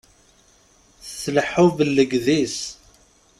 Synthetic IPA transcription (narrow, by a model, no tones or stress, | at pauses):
θəθləħːʊvəlːəɡðis